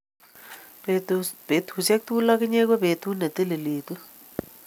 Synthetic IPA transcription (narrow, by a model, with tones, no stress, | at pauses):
be˨tʰu˨se˦ku˦tu˦la˦k̬u˦ɲɛ˦k̬wɔ˦ɓe˨tʰu˦ne˨t̪e˦le˨leː˨tu˦